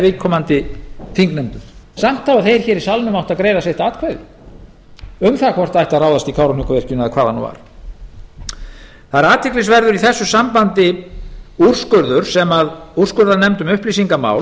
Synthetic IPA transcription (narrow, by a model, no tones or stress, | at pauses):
vɪkʰɔmant̪ɪθiŋknɛmt̪ʏɾ̥sam̥t̪ʰːawaðθejɾ̥çɛːɾisalnʏmawht̪aðkɾeːjðasejht̪aːt̪kʰvajðɪ̰ | œɥmθaakʰvɔr̥t̪ajht̪aðraːwðast̪ikʰawɾʏnʏkavɪr̥cʏnʏaðkʰvaːðhanːṵːva̰ɾ̥ | θaðɾaːt̪ʰɪklɪsvɛɾðʏɾiθɛsːʏsampant̪ɪ | ur̥skʏɾðʏɾ̥sɛmaður̥skʏɾðanɛmt̪ʏmʏhplisiŋkama̰ːw